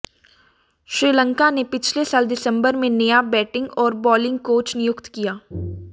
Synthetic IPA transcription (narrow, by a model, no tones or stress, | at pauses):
ʃɾiːlə̃ŋkanepɪt͡ʃʰlesaːld̪ɪsə̃mbəɾmẽnɐjabɛːʈɪ̃ŋɡɔːɾbɔːlɪ̃ŋɡ̚koːt͡ʃnɪjʊkt̪kijaː